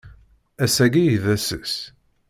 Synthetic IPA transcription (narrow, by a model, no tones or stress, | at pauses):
æsæɡijðæsəs